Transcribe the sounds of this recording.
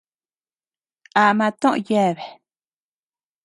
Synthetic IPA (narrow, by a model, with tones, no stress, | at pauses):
ʔa˧mã˧t̪õ˦ʔõ̰˧˨je˦˨βe˨